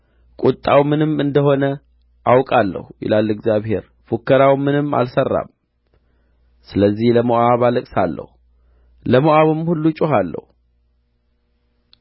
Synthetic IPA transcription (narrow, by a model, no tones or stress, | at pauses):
kʼut̪ʼːawmɨnɨmɨnd̪əɦo̞nə | ʔawkʼalːə̰hujɪ̰lalːɡzjaβhe̞ɾ | fokʰːəɾawmɨnɨmːa̰lsərːa̰m | sɨləzːihləmoʔaβaləkʼsa̰lːə̰hu | ləmoʔaβɨmhulːut͡ʃʼʊɦalːə̰hu